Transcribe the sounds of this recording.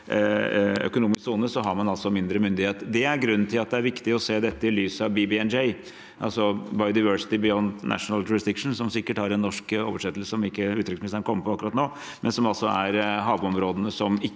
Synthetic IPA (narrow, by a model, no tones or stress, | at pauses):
œ̰kʊnuːmɪsksuːnəsɔɦɑɾmɑnɑlsɔmɪnd̪ɾəmʏnd̪ɪheːt̪d̪ɛæɾɡɾʉnːnt̪ʰɪlɑt̪̚d̪ɛæɾʋɪkt̪ɪɔseːd̪ɛt̪ːəɪlyːsəɑʋbibɪɛnd͡ʒɛɪ | ʔɑ̰lsɔbɑɪʊd̪aɪʋœʂɪ̥t̪ɪbɪɔnt̪nʔæ̰ʂnəljʊɾɪsd̪ɪkʂn̩sɔmsɪkːəʈhɑɾɛnːɔʂko̰ːʋəʂɛt̪ːlsə̥sɔmɪkːəʉːt̪ɾʏksmɪsənəkʰɔmːəpʰɔɑkːɾɑt̪noː | mʔɛnsɔmɑlsɔæɾɦɑːʋɔmɾoːd̪ənəsɔmɪ